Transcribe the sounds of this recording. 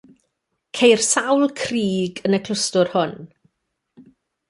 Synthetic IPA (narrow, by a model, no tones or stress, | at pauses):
kʰejr̥sawlˠkʰriːɡənəkʰl̥ʊstʊrhʊn